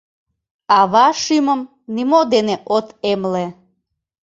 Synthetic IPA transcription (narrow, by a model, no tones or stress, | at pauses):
ɑβɑʃyməm | nimod̪eneʔot̪emle